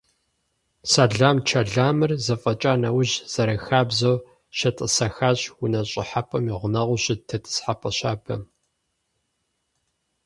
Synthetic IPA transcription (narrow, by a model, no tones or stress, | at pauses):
saɮaːmt͡ʃʰɐɮaːmɨrzɐfʼɐt͡ʃʼaːnɐwʊʑz̥ɐɾɐxaːbzɐw | ʃɐtʼɨsɐxaːɕwʊnɐɕʼɪħapʰʼɐmiʁʷʊnɐʁʷʊɕɪtʰɐtʰɨ̥sħapʼɐɕaːbʰɐ̰m